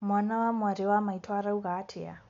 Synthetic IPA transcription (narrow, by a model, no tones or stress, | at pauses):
mwanawamwaɾewamaitʰwaɾauɣatʰḛa̰